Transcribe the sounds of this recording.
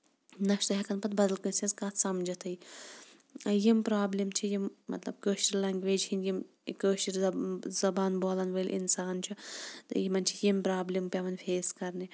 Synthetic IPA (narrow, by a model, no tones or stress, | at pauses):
nɐʃt̪uɦɐkɐnpɐt̪̚bɐd̪ɐlkənsʲizkɐt̪sɐmd͡ʒɐt̪ʰɐi | ɐjimpɾaːblimt͡ʃʰijimːɐ̰t̪lɐ̰b̚kəːʃtiɾlɐŋɡʲʋeːd͡ʒhinjim | kəːʃiɾzɐbaːnboːlɐnʋəːlʲʔḭnsaːnt͡ʃʰit̪jimɐnt͡ʃʰi̥jimpɾaːblimpʲjɐʋɐnfʰeːskɐɾni